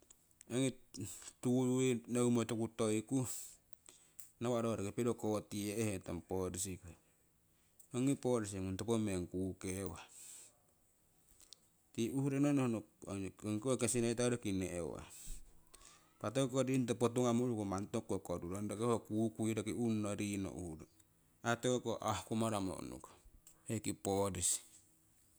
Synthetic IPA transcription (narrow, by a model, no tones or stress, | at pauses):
oŋituuinowmotokutoiku | nawaɾoaɾakipedokotieeheta̰mpoɾis̬iko | oŋipoɾis̬iŋuntopomeŋkukewa | tiʔuhuɾononohno | ŋkkesinaitaɾokineʔewa̰ | patokokoɾint̬opot̬uŋamoɾukomantokːokoɾuɾondokehokukuiɾokiunːoɾino̰ʔṵhuɾo | atokokoʔahkomaɾamo̰ʔnṵko̥hekipodisi̥